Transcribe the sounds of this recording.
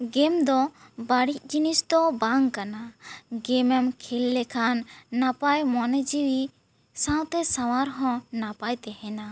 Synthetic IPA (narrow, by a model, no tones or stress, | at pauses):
ɡɛmd̪ɔbaɽic̚ˀd͡ʒinisd̪ɔbaŋkanaɡɛmɛmkʰɛlːɛkʰanːapajmɔnɛd͡ʒiwi | sãw̃t̪ɛsaw̃aɾɦɔ̃napajt̪ɛhɛna